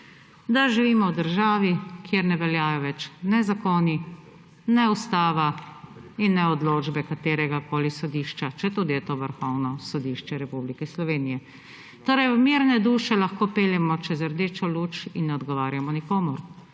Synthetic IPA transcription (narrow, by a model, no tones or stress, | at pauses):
d̪aʒiʋiːmɔwd̪əɾʒaːʋikjeɾnɛʋɛljaːjɔʋɛt͡ʃnɛzakoni | nɛust̪aːʋa | inːɛɔd̪loːd͡ʒbɛkat̪eːɾɛɡakoːlisɔd̪iːʃt͡ʃat͡ʃɛt̪uːd̪ijɛt̪oːʋəɾxɔwnɔsɔd̪iʃt͡ʃɛɾɛpublikɛslɔʋeːnijɛ | t̪oːɾɛjmiːɾnɛd̪uːʃɛlaxkoːpeːljɛmɔt͡ʃɛzəɾd̪eːt͡ʃɔluːt͡ʃinːɛɔd̪ɡɔʋaːɾjamɔnikoːmɔɾ